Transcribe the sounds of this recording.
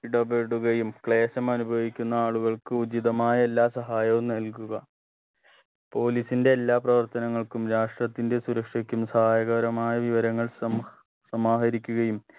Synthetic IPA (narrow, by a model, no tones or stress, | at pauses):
iɽɐbeɽuɣɐjumkɭe̞ːɕɐmɐnubʱɐʋikʲːunːɐaːɭuɣɐɭkɨud͡ʑiðɐmaːjɐe̞lːaːsɐɦaːjɐʋumnɐlk̬uɣɐ | po̞ːlisinde̞ːlːaːprɐʋɐrt̪ɐnɐŋːɐɭkumɾaːʂʈrɐt̪ːinde̞suɾɐkʂɐkʲːumsɐhaːjɐɣɐɾɐmaːjɐʋiʋɐɾɐŋːɐɭsɐ | sɐmaːɦɐɾikʲːuɣɐjum